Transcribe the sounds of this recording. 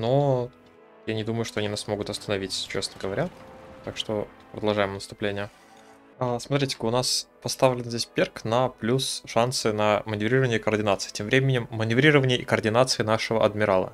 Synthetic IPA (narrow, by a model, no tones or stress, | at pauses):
no | janʲɪd̪uməjʊʂt̪oɐnʲinasmoɡʊt̪ɐst̪ənɐvʲitʲt͡ɕesnəəɡəvɐɾʲat̪akʂt̪o̞pɾəd̪ɐlˠʐajɪmnəst̪ʊplʲenʲɪjə | əsmɐt̪ɾʲitʲɪ̥kʊnaspɐst̪avlʲɪnzʲdʲesʲpʲerknəplʲusʂansɨnəmənʲɪvɾʲiɾəvənʲɪjəɪkərdʲɪnat̪sɨ̥ɪ̥tʲemvɾʲemʲɪnʲɪmːənʲɪvɾʲiɾəvənʲɪjəʔikərdʲɪnat̪sɨɪnaʂəvəʔɐ̰d̪mʲɪɾalˠə̰